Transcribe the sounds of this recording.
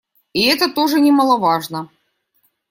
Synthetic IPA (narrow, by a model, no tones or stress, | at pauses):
iɛt̪ət̪oʐɨnʲɪmɐlˠɐvaʐnə